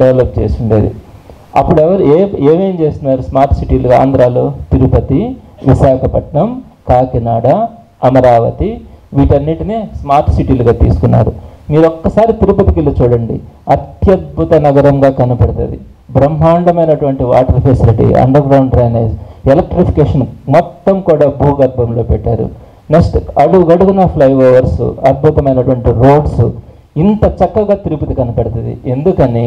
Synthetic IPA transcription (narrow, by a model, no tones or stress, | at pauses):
ɖɛʋlɐp̚t͡ʃḛːsuɳɖeːd̪ḭ | ɐ̰pːuɽɛʋɐɾueːeːmeːmt͡ʃeːst̪unːaːɾusmaːɾt̪siʈiːluɡa̰ːnd̪ɾaːloːt̪iɾupɐt̪iʋiʃaːkʰɐpɐʈɳɐm | kaːkinaːɽɐ | ɐmɐɾaːʋɐ̰t̪iʋiːʈɐnːiʈineːsmaːɾt̪siʈiːluɡaːt̪ḭːsu̥kunːa̰ːɾumiːɾɔkːɐsaːɾit̪iɾupɐt̪ikilːɐt͡ʃuːɽɐɳɖḭɐt̪jɐd̪̚bʱut̪ɐnɐɡɐɾɐmɡaːkɐnupɐɽɐt̪ɐ̰d̪ḭ | bɾɐmːaːɳɖɐmɐjnɐʈuʋɐɳʈiʋa̰ːʈɐɾpʰeːsiliʈḭɐ̰ɳɖɐɾɡɾɐwɳɖɾɐːneːselek̚ʈɾipʰi̥keːʂɐnmɔt̪ːɐmkuːɽaːbʱuːɡɐɾbʱɐmlo̞ːpɛʈːaːɾṵ | neksʈɐɽuɡɐɽuɡunɐpʰlɐjʋɔːʋɐɾsṵɐɾ̚bʱut̪ɐmɐjnɐʈuʋɐɳʈiɾoːɖsu | int̪ɐt͡ʃɐkːɐɡaːt̪iɾupɐt̪ikɐnipɐɽɐt̪ɐd̪ḭʔe̞nd̪ukɐni